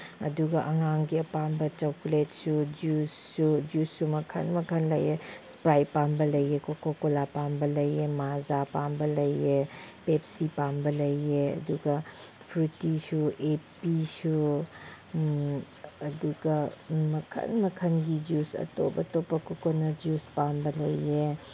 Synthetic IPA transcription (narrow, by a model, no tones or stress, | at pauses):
ɐ̰duɡɐʔɐŋaŋɡiɐpambɐt͡ʃawkletsud͡ʒusːud͡ʒusːumɐkʰɐ̰nmɐkʰɐnlɐjespɾajpambɐlɐjekokokolapambɐlɐjemazapambɐlɐjepeːpsipaːmbɐlɐieɐ̰d̪uɡa | pʰɾuʈiʃueːpiʃu | ɐd̪uɡamɐkʰɐ̰nmɐkʰɐnɡid͡ʒuːsɐ̰t̪o̰ːbɐt̪oːpɐkokonɐd͡ʒuːspaːmbɐlɐije